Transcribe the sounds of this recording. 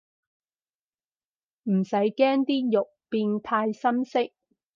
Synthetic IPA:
m̩˨˩sɐ˨˥jkɛː˥ŋt̪iː˥jʊ˨k̚piː˧nt̪ʰaː˧jsɐ˥msɪ˥k̚

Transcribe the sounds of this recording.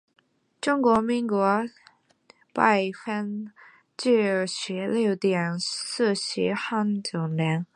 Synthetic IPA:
ʈ͡ʂʊ˥ŋkwɔ˧˥mi˧˥ŋkwɔ˧˥ | pa˥˩ɪfə˥n | t͡ɕy˥˩˧ɕɥɛ˧˥ljo˥˩ʊt̪jɛ˨˩ns̩˥˩ɕḭ˧˥xa˥nt͡ɕjo˨˩ʊnjɛ˧˥n

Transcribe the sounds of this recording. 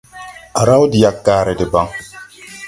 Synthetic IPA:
a˨ɾa˦wdi˨ja˦kːaː˨ɾɛ˨dɪ˨ba˦ŋ

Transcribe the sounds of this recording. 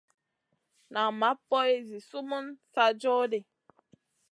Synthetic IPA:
na˨ma˨˦pɔ˦e˦zi˨su˦mu˦nsa˦d͡ʒɔ˦de˨

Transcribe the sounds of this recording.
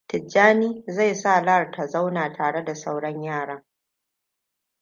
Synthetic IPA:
tɪ˨d͡ʒaː˦niː˦za˦˨jsa˦˨la˦˨rtʰa˨za˦wnaː˨tʰaː˨ɽe˦da˨sa˦wɽɐ˦ɲjaː˦˨ɽaː˦

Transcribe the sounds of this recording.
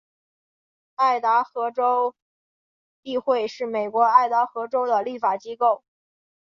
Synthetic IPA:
a˥˩ɪt̪a˧˥xɤ˧˥ʈ͡ʂo˥ʊ | ti˥˧xwe˥˧ɪʂɻ̩˥˩me˨˩ɪkwɔ˧˥a˥˩ɪt̪a˧˥xɤ˧˥ʈ͡ʂo˥ʊd̪ə˨li˥˩fa˨˩t͡ɕi˥ko˥˩ʊ

